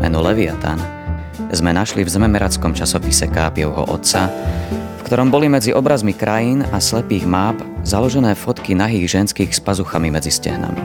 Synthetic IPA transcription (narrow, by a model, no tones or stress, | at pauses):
mɛ̰nulɛʋiat̪a̰n | zmɛnaʃlivzɛmɛmɛɾat͡skɔmt͡ʃasɔpisɛkaːpɪɔʊɦɔ̰ʔɔ̰t̪sa | fkt̪ɔɾɔmbɔlimɛd͡ziʔɔbɾazmikɾʔajiːnaslɛpiːɣmaːp | zalɔʒɛnɛːfɔt̪kinaɦiːɣʒɛnskiːxspazuxamimɛd͡ziscɛ̰ɦna̰mḭ